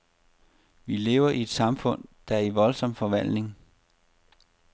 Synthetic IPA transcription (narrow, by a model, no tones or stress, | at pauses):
ʋile̝ʊɐʔie̝d̥sɑ̈mfɔ̽n̰d̥ɑ̈æɐiʋɒ̽lsɒ̽m̰fɒ̽ʋæl̰d̥ne̝ŋ